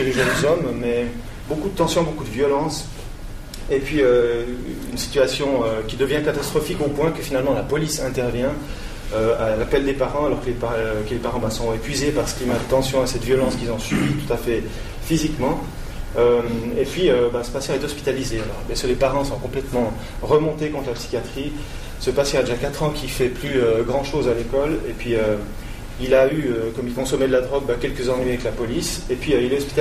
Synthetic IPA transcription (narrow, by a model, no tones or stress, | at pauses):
kəleʒənzɔmmɛ | bokud̪ət̪ɑ̃sjɔ̃bokud̪əvjɔlɑ̃s | epɥiø | y̰nsi̥t̪yasjɔ̃økʲid̪əvjɛ̃kat̪ast̪χɔfikopwɛ̃kəfinalmɑ̃lapɔlisɛ̃t̪ɛʁvjɛ̃ | øalapɛld̪epaʁɑ̃alɔʁkəlepakəlepaʁɑ̃bɛsɔ̃epɥizepaʁsə̥klimad̪ət̪ɑ̃sjɔ̃asɛt̪əvjɔlɑ̃skilzɔ̃sibit̪u̥t̪afɛ | fizikmɑ̃ | ømepɥiøbasə̥pasjɑ̃ɛt̪ɔspi̥t̪alizealɔʁbɛskəlepaʁɑ̃sɔ̃kɔ̃plɛt̪mɑ̃ | ʁəmɔ̃t̪ekɔ̃t̪χlapsi̥kʲjat̪χi | səpasjɑ̃ad̪eʒakat̪χɑ̃kʰʲifɛplyøɡʁɑ̃ʃozalekɔlepɥiø | ilayøkɔmilkɔ̃sɔmɛd̪əlad̪ʁɔɡ̚bakʲɛlkəzɑ̃nɥiavɛklapɔlisepɥiøilɛɔspi̥t̪